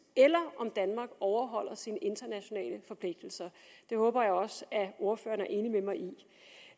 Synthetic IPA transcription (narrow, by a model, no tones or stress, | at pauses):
elɐʔɒ̽md̥ænmɑ̈ːɡ̥ɒʊɐɦɒ̽l̰ɐsinəʔe̝nd̥ɐnæɕo̝nɛ̰ːləfɒ̽pʰle̝ɡ̥̚d̥l̩sɐd̥e̝hɔ̽ːb̥ɐjɑ̈ɪɒ̽sæo̝ɐfø̰ːɐnæɐʔe̝ːnimemɑ̈ɪʔi